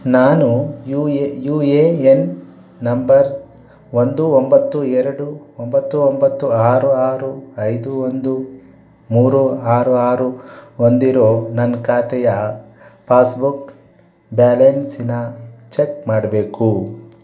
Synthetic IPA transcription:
naːnujuejuːeːenː | ɐmbɐɾ | ond̪uombɐt̪ːuɛɾɐɽuombɐt̪ːuombɐt̪ːuaːɾuaːɾuɐjd̪uond̪u | muːɾuaːɾuaːɾuond̪iɾo̞ːnɐnkaːt̪ɛjɐ | pʰaːsbuk | baːlensinɐt͡ʃekmaːɽɐbe̞ːku

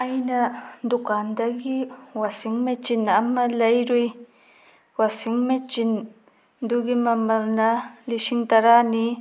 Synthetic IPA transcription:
ɐjnɐd̪ukand̪ɐɡiwɐsiŋmet͡ʃinːɐmɐlɐjɾuj | wɐsiŋmet͡ʃin | d̪uɡimɐmɐlnɐliʃiŋt̪ɐɾani

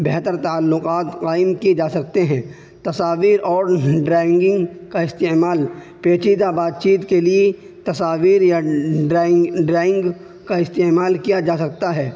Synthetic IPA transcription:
bɛɦt̪əɾt̪aːlːʊqaːt̪qaːɪmkid͡ʒaːsɐk̚t̪eɦɛ̃ː | t̪ɐsaːʋiːɾʔɔːɾɖɾɛːɪ̃ŋɡɪ̃ŋɡkaɪst̪eːmaːl | peːt͡ʃid̪abaːt̪̚t͡ʃiːt̪kelie | t̪ɐsaːʋiːɾja | ɖɾɛːɪ̃ŋɡ | kaɪst̪eːmaːlkijad͡ʒaːsɐk̚t̪aɦɛː

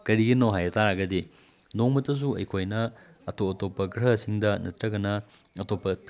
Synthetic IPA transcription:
kɐɾiɡinowɦajɐtaɾaɡɐdi | noŋmɐtːɐs̬uɐ̰jkʰojnɐ | ɐtoɐtopːɐɡɾɐsiŋdɐnɐtɾɐɡɐnɐ | ɐtopːɐp

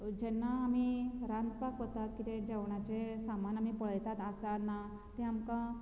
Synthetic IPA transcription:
d͡ʑɛnːaːmiɾand̪pakʋɔt̪at̪kit̪ẽd͡ʑaʋɳat͡ɕẽsamanamipəɭəjt̪at̪asanːa | t̪ɛamkã

